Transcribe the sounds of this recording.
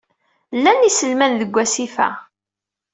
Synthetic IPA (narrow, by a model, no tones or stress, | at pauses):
lːænisəlmænðəɡʷːæsifæ̰